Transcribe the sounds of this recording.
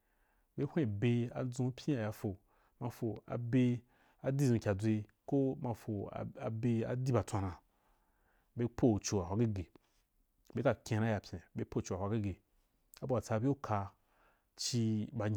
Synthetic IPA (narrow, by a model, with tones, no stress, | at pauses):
be˦hʷẽ˦˨be˧a̰˨d͡zũ˧˦pʰʲĩ˦a˨ja˧fo˨ | mã˧fo˨a̰˨be˧ | a˨di˦˨zũ˨˧kʲa˨d͡zʷe˧ko˦mã˧fo̰˨a̰˨be˧a̰˨di˦ba˨tʷa˧nã˧ | be˧pʰo˦˨t͡ʃo˨wa˨wʷa˧˦ɡi˦ɡe˨ | be˦ka˧kʲẽ˧ɾã˦ja˨pʲẽ˨be˦po˦˨t͡ʃo˨a˨hʷa˧ɡi˦ɡe˨ | a˦bo˧a˨t͡sa˧bʲe˦o˦kʰa˧ | t͡ʃi˧ba˧ɲ